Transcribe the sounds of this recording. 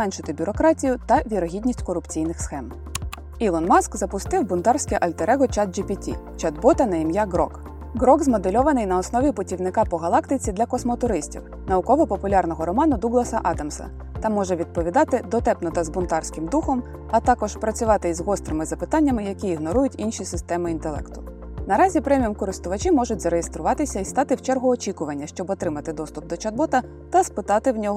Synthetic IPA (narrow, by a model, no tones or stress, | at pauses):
mɛnʲʃɪt̪ɪbʲʊɾɔkɾɑtʲijʊt̪ɐʋʲiɾɔɦʲidʲnʲisʲtʲkɔɾʊpt͡sʲijnɪxsxɛm | ilˠɔnmɑskzɐpʊst̪ɪwbʊnt̪ɑrsʲkɛʔɐlʲt̪eɾɛɣɔt͡ʃɑd̪̚d͡ʒipʲitʲḭt͡ʃɐd̪bɔt̪ɐnɐjimjaɡɾɔ̰k | ɡɾɔɡzmɔd̪elʲɔʋɐnɪjnɐɔsnɔʋʲipʊtʲiwnɪkɑpɔɦɐlˠɑkt̪ɪt͡sʲid̪lʲɐkɔsmɔt̪ʊɾɪsʲtʲḭw | nɐʊkɔʋɔpɔpʊlʲɑrnɔɦɔɾɔmɑnʊd̪uɡlˠɐsɐʔɑd̪ɐmsɐ̰ | t̪ɑmɔʒɛʋʲid̪̚pɔʋʲid̪ɑt̪ɪd̪ɔt̪ɛpnɔt̪ɐzbʊnt̪ɑrsʲkɪmd̪uxɔm | ɐt̪ɑkɔʒ̥pɾɐt͡sʲʊʋɑt̪ɪzɦɔst̪ɾɪmɪzɐpɪt̪ɑnʲːɐmɪjɐkʲiːɦnɔɾujʊtʲinʃisɪst̪ɛmɪint̪elˠɛ̰kt̪ʊ̥ | nɐɾɑzʲipɾɛmʲijɔmkɔɾɪst̪ʊʋɐt͡ʃimɔʒʊt̚ʲzɐɾejest̪ɾʊʋɑt̪ɪsʲɐist̪ɑt̪ɪwt͡ʃɛrɦʊɔt͡ʃʲikʊʋɐnʲːɐʃt͡ʃɔbɔt̪ɾɪmɐt̪ɪd̪ɔst̪ʊp̚d̪ɔt͡ʃɐd̪̚bɔt̪ɐ | t̪ɐspɪt̪ɑt̪ɪwnʲɔɦɔ